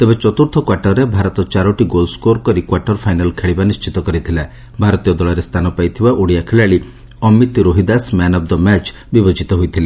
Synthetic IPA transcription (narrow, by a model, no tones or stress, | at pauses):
t̪ebet͡ʃɔt̪uɾt̪ʰɔkwaʈɔɾebʱaɾɔt̪ɔt͡ʃaɾɔʈiɡolskoɾkɔɾikwaʈɔɾpʰajnalkʰeɭibanist͡ʃit̪ɔkɔɾit̪ʰila | bʱaɾɔt̪ijɔd̪ɔɭɔɾest̪ʰanɔpajt̪ʰibaʔoɽiakʰeɭaɭi | ɔmit̪ɾoɦid̪asmanɔp̚d̪ɔmɛt͡ʃ | bibɔd͡ʒit̪ɔɦujt̪ʰile